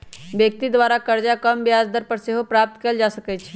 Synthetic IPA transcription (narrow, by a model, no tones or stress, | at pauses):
bjək̚t̪id̪waːɾakəɾd͡ʒakəmbjaːzd̪əɾpəɾseːɦopɾaːp̚t̪keld͡ʒaːsəkɛt͡ʃʰɛ